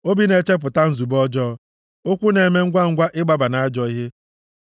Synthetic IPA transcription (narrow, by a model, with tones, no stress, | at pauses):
o˦bi˦ne˨t͡ʃe˦p̬ʊ˨ta˦n̩˦zu˨bɔ˦d͡ʒɔ˦ | o˦kʷu˦ne˨me˦ŋ̩˦ɡʷa˦ŋ̩˦ɡʷa˦ʔɪ˦ɡ͡ba˦ba˨na˨a˦d͡ʒɔ˦i˦ɦe˦